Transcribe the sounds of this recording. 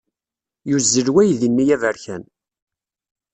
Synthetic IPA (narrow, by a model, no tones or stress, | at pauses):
juzːəlwæjðinːijævæɾçæn